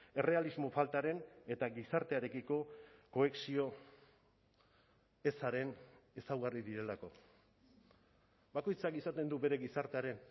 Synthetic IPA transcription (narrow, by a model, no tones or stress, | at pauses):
e̞re̞alizmo̞falt̪aɾe̞ne̞t̪aɣisaɾt̪eaɾe̞kiko̞ko̞eksio̞ | e̞saɾe̞nesawɣariðiɾe̞lako̞ | bako̞jt͡sakisat̪e̞nd̪ube̞ɾe̞ɣisaɾt̪eaɾe̞n